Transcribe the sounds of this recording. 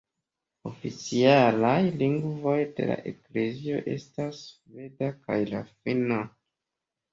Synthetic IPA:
o̞fit͡sialajliŋɡvo̞jde̞̰la̰ʔekle̞zio̞̰ʔe̞̰stasːvedakajlafina

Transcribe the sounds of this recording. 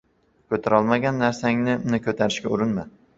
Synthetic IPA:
kʲʰɵt̪ʰaɾɒlˠmaɡʲanːaɾsaŋnɪnɪkʰɵt̪ʰaɾɪʃkʲaʊɾɪnma

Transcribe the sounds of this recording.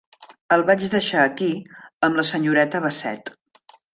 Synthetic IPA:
əlˠβad͡ʒðəʃaːkiəmləsəɲuɾɛt̪əβəsɛ̰t̪

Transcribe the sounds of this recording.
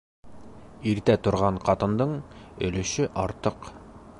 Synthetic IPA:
iɾt̪æt̪ŏɾʁɑɴqɑt̪ɤ̆nd̪ɤɴɵ̆lɵ̆ʃɵʔɑɾt̪ɤq

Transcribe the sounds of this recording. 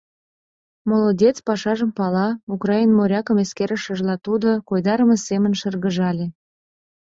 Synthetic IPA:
molodʲet͡spɑʃɑʒəmpɑlɑukrɑinmoɾʲɑkəmeskeɾəʃəʒlɑt̪ud̪okojd̪ɑɾəmesemənʃərɣə̆ʒɑlʲe

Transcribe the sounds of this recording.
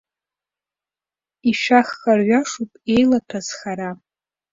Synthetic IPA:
iʃaχːʼarɥʷaʂupʼe̞jlatʰaz̥χaɾa

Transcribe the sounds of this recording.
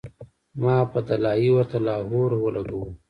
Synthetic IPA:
mɑːpət̪alɑːiwat̪alɑːɦoɾwəlaɡəw

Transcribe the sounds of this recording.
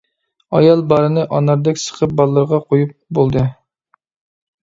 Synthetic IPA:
ɑ̰jɑlˠbɑɾɨnɨʔɑnɑɾd̪ɛkʲsə̥qʰəp̚bɑlˠːəɾʁɑqʰojup̚bolˠd̪ɨ

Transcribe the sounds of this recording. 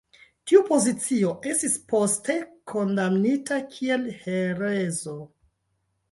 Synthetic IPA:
tiupo̞zit͡sio̞ʔe̞stispo̞ste̞kʰo̞ndamnitakʰie̞lheɾezo̞

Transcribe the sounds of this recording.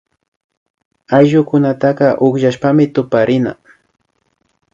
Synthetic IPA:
ajʒʊkʊnat̪ɑqɑʔʊχʒaʃpamɪt̪ʊpaɾɪna̰

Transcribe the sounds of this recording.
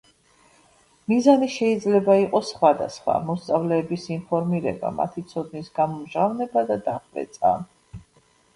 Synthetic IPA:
mizaniʃɛid̪zlɛbaiqʼɔsχwad̪a̰sχwa̰mɔst̪sʼavlɛːbisinpʰɔɾmiɾɛ̰ba̰ma̰t̪ʰit̪sʰɔd̪nisɡamɔmʒavnɛbad̪ad̪aχʼvɛ̰t̪sʼa̰

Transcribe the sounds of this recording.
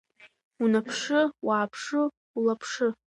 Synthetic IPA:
unapʰʂɨwaːpʰʂɨ | ulapʰʂɨ

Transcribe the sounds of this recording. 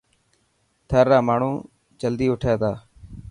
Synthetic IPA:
t̪ʰəɾːaːmaːɳ̤ũː | d͡ʒəld̪iːʊʈʰaːt̪aː

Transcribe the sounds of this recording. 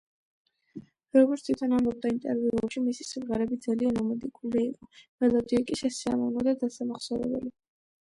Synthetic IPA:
ɾɔɡɔɾt̪t̪ʰwit̪ʰɔnambɔb̚d̪aint̪ʼɛɾviuɛpʃimisisimʁaɾɛbid̪zalianɔmɛd̪ikʼuliːqʼɔmɛlˠad̪ikʼiʃɛsia̰mɔvnɔd̪ad̪asamaχsɔɾɛ̰bɛ̰li

